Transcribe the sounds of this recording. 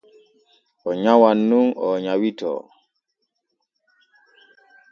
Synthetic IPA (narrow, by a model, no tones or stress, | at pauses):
ɔɲawanːuŋɔɲawitɔ̰